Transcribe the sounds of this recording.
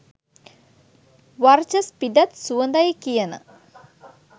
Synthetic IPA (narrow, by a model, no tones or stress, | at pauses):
ʋɐrt͡ɕɐspidɐt̪suɐnd̪ɐjikːijɐnɨ̰